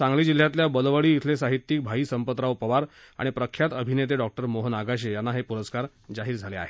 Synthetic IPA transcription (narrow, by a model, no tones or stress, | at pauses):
t͡sãŋɡliːd͡ʑil̤ːjat̪̬ljabəlʋəɭiːt̪ʰlesaɦit̪ːik̚bʱaɦiːsəmpət̪ɾaupəʋaɾ | a̰ɽ̃ipɾəkʰjat̪əbʱinet̪̬eɖɔk̚ʈəɾmoɦənaɡaɕ̬ejanːaɦepuɾəskaɾ | d͡zaɦiːɾd͡zʱalea̰ɦe